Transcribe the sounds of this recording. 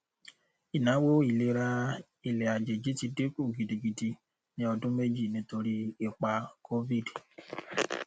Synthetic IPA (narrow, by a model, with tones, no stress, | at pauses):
i˨nã˨˦wo˦i˨le˨˧˦ɾa˧ | i˨le˨a˨d͡ʒe˨d͡ʒi˨˦ti˧de˦ku˦˨ɡi˨di˨ɡi˨di˧ | nĩ˦ɔ˧dũ˦me˦d͡ʒi˦˨nĩ˨˦to˧ɾi˦e˦˨k͡pa˧kʰo˦vi˦˨d